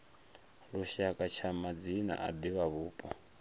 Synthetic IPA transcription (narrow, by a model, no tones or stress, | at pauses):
luʃakʼat͡ʃʰamad͡zina̰ʔad̪iβaβuːpʼɔ